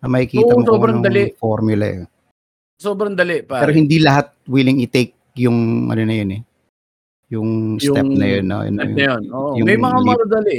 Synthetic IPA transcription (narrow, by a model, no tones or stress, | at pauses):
ɐmɐɪkiːɐsobɾɐŋd̪ɐlɪʔfoɾmjʊlɐ̰ɛ̰ | soːbɾɐŋd̪ɐlɪʔpaɛɾohɪnd̪ilɐɦat̪̚wilɪŋɪt̪ejk̚jʊŋʔɐ̰nonɐjonɛ | jʊŋst̪ɛp̚nɐjonːo̰ɐ̰nɛɐjonoʔjʊmɛjmɐŋamɐɾɐd̪ɐlɪʔ